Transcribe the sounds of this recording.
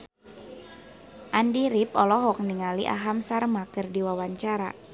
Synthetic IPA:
ʔandiɾip̚ɔlɔɦɔk̚niŋaliʔa̰ɦamsarmakərdiwawaɲt͡ʃaɾa̰

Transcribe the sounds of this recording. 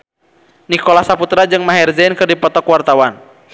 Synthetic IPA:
nikɔlasaput̪ɾad͡ʒɨŋmaɦɛrzɛnkɨrdipɔt̪ɔkwart̪awan

